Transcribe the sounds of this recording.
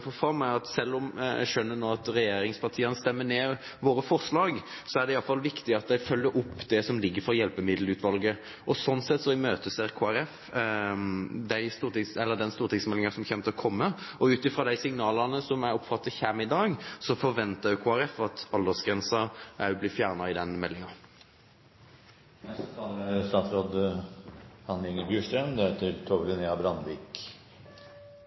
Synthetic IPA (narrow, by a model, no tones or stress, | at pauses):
fɔɾfɑɾmæɪɑt̪sɛlːɔmæ̰ɪʃœnːənoːɑt̪ɾɛjeːɾɪŋspʰɑʁt̪ʰiːənəst̪ɛmːəneː | ʋoːɾəfɔɾʂlɑːɡ | sɔæɖɛɪɑlfɑlʋɪkt̪ɪɑt̪̚d̪æɪfœlːəɾʔʊpːd̪ɛsɔmlɪɡːəɾfɔjɛlpəmɪd̪l̩ʉːt̪ʋɑlɡə | ʔɔsɔnsɛt̪ːsɔɪmøːt̪əseɾkʰoːæɾɛf | d̪æɪst̪uːɾt̪ɪŋsɛlːəd̪ɛnst̪uːɾt̪ʰɪŋsmɛlɪŋəsɔmçɛmt̪ʰɔkʰɔmːəɔʉːt̪ɪfɾoːd̪æɪsɪŋnɑːlɑʁnəsɔmæɾɔpfɑt̪ːəçæmɪd̪ɑːɡsɔfɔɾʋɛnt̪ɑdʉkʰoːæɾɛfɑt̪ɑld̪əsɡɾɛnsəɾʔæblɪfjæːʁnɑɪd̪ɛnmɛlːɪŋɑ | nɛst̪ət̪ʰɑːləst̪ɑːt̪sɾoːd̪ | hɑnlɪŋəbjʉːʂɾɛmd̪ɛet̪ʰəɾt̪ʰɔʋɪneːɑbɾɑnʋiːk